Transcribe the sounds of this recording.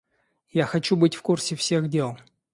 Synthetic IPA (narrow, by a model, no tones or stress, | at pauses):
jaxɐt͡ɕubɨtʲfkursʲɪfsʲe̞ɣdʲe̞lˠ